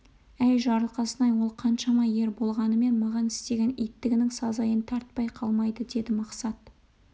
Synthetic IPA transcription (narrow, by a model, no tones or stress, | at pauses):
æjʒɑɾəlˠqɑsənɑjwo̞lˠqʰɑnʃɑmɑje̞ɾbo̞lˠʁɑnəme̞nmɑʁɑnɪst̪e̞ɡʲe̞nijt̪ːɪɡʲɪnɪŋsɑzɑjənt̪ʰɑɾt̪̚pɑjqʰɑlˠmɑjd̪əd̪e̞d̪ɪmɑqsɑt̪